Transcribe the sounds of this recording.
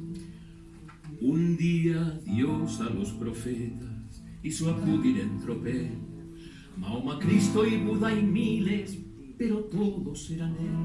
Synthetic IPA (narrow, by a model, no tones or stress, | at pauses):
ũnd̪iɐðjowsalospɾofɛt̪ɐs | isoakuðiɾẽnt̪ɾopɛ | mawmakɾist̪oipuðajmiles | peɾot̪oðʊseɾane